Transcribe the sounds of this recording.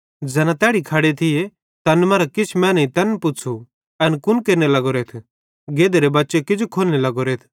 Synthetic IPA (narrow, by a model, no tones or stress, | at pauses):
d͡zɛːnãt̪ɛːɽikʰɐɽet̪ʰɪje | t̪ɐnmɐ̃ːɾakɪt͡ʃʰmɛ̃ːnɐĩt̪ɐnpʊt͡sʰu | ɛnkʊnkeːnelɐɡoɾeːt̪ʰ | ɡeːd̪eɾebɐtːʃekɪd͡ʒokʰoːlnelɐɡoɾeːt̪ʰ